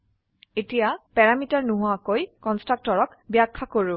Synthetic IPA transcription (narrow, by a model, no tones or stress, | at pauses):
etijapɛɹamitaɹnuɦʊakojkɔnstɹak̚tɔɹɔkbjakʰːakoɹʊ